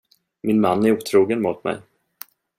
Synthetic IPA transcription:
mɪnmanːæɾuːt̪ʰɾuːɡənmʊːt̪mɛ̰j

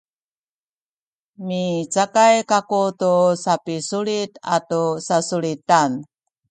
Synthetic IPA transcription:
mit͡sakajkakutusapisuɭita̰tusasuɭitan

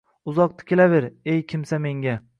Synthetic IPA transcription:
ʊzɒq̚t̪ɪ̥kʲelave̞ɾejkʲʰɪmsame̞ŋɡʲa

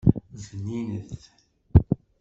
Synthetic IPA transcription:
zəninəθ

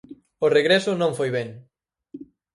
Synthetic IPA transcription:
ʊreɣɾɛsʊnõɱfojβɛŋ

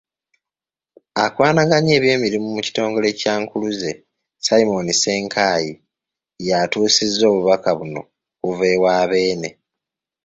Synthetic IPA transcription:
akwaːnaɡaɲe̞ːβje̞ːmiɾimumuci̥to̞ːŋɡo̞le̞caːŋkuluze̞ | saimo̞nise̞ːŋkʰaːji | jatuːsizːo̞ːβuβakaβuno̞̰ | kuve̞ːwaːβe̞ːne̞

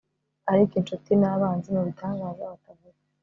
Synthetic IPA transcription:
aɾikenʃotinaβaːnzenoβitʰaːŋɡaːzaatavuɾa

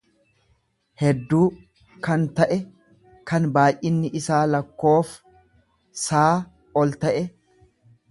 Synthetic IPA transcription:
hɛd̪ːuː | kɐnt̪ɐʔɛ | kɐnbaːjʔɪnːɪʔɪsaːlɐkːo̞ːf | saː | ɔlt̪ɐʔɛ

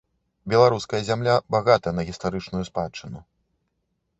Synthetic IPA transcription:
bʲɛlˠaɾuskɐjɐzʲamlʲabaɣat̪ɐjɐnɐɣʲist̪aɾɨt͡ʂnujuspat͡ʂːɨnu

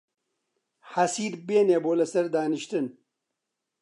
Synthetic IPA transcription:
hɐsiːd̪beːneːboːlɐsɐɾd̪aːniʃt̪ɨn

